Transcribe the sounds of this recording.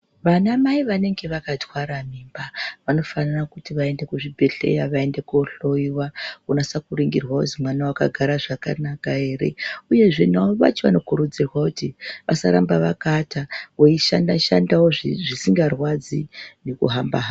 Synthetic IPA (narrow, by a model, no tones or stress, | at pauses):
ʋanamaiʋane̞ŋɡe̞ʋakatwaɾamiːmbaʋano̞fanarakutiʋae̞nde̞kuʐibʱeɬe̞̰jaʋae̞nde̞kuɬo̞iwakunasakuɾiŋɡirwauzimwanawakaɡʱaɾaʐakanakae̞ːre̞̰uje̞ʐenaʋa̰t͡ʃeʋano̞kuɾud͡zirwakutiʋʔasaɾambaʋakataoiʃandaʃandawoʐiʐisiŋɡarwad͡zinekṵɦambaɦa